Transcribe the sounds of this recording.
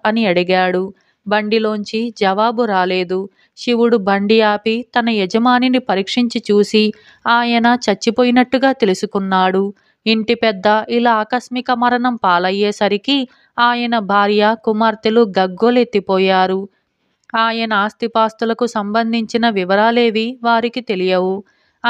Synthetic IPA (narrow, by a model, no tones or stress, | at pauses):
ɐniɐɽiɡaːɽu | bɐɳɖilo̞ːɲt͡ʃid͡ʒɐʋaːbuɾaːleːd̪u | ʃiʋuɽubɐɳɖijaːpit̪ɐnɐjɛd͡ʒɐmaːninipɐɾiːkʂiɲt͡ʃit͡ʃuːsi | aːjɐnɐt͡ʃɐt͡ʃːipoːjinɐʈːuɡaːt̪e̞lusukunːaːɽu | iɳʈipɛd̪ːɐʔilaːkɐsmikɐmɐɾɐɳɐmpaːlɐjːɛːsɐɾiki | aːjɐnɐbʱaːɾjɐkumaːɾt̪iluɡɐɡːolet̪ːipɔːjaːɾu | aːjɐnɐaːst̪ipaːst̪ulɐkusɐmbɐnd̪ʱiɲt͡ʃinɐʋiʋɐɾaːleːʋiʋaːɾikit̪e̞lijɐwu